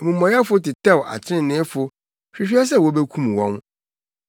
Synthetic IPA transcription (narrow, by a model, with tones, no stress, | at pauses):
mũ˨mɔ̃˨ja˦fʊ˦tɪ˨tʰɛ˦˨wa̰˨t͡ɕʰɪ˦ɪ̃˦˨nɪ̃˦fʊ˦ | ɕᶣi˦ɕᶣi˦a˦s̬ɛ˦˨wɔ˨˦bɛ˦kʰũ˦m˨wɔ̃˦n